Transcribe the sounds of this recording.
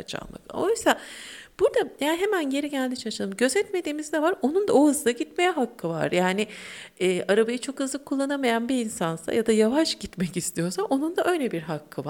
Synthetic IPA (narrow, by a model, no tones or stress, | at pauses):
at͡ʃʰa̰nːˠa̰kosab̥uɾd̪ajaːnɦe̞mænɟe̞ɾiɟælʲd̪it͡ʃʰaɯʃalˠɯmɟø̞zɛt̪me̞d̪iːmizd̪ɛvaɾo̞nund̪aohɯzd̪aɟit̪me̞jɛɦakʰːɯva̰ɾjaːnɪɛːʔaɾabajɯt͡ʃʰo̞khɯzlˠɯkʰːulˠːanamajanbiinsansa̰jad̪ajavaʃɟit̪mɛcist̪ʰijo̞saʔo̞nund̪aʔø̞jlʲɛbiɾɦakʰːɯva